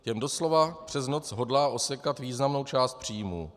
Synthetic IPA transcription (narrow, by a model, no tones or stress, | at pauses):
jɛmdo̞slo̞vapr̝̥ɛzno̞t͡sɦo̞dlaːʔo̞sɛkat̪viːznamno̞wt͡ʃaːst̪̚pr̝̥iːmṵː